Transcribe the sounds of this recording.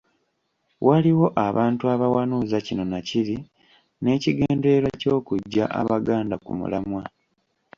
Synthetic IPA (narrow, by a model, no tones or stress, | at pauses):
wʔaliwo̞ʔaβaːntuaβawanuːzacino̞naciɾi | ne̞ːciɡe̞ːnde̞ɾwaco̞ːkuɟːa̰ʔa̰βaɡaːndakṵmṵlamwa